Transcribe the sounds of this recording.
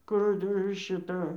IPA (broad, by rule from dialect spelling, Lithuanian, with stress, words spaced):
ˈkʊr ɪr ʃʲɪˈtɐ